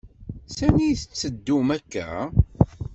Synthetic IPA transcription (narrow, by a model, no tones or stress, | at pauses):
sæniθət͡sːəd̪ːumækːæ̰